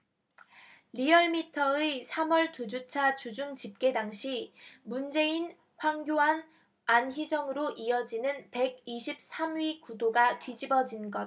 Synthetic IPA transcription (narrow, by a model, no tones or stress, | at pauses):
ɾiʌɭmitʰʌesʰamʌɭtud͡ʑut͡ɕʰat͡ɕud͡ʑuŋt͡ɕip̚k͈e̞daŋɕʰimund͡ʑe̞in | ɸwaŋɡjoɦan | ançid͡ʑʌŋɯɾoʔiʌd͡ʑinɯnpe̞ɡiɕʰip̚s͈ʰamɥikudoɡatɥid͡ʑibʌd͡ʑinɡʌt̚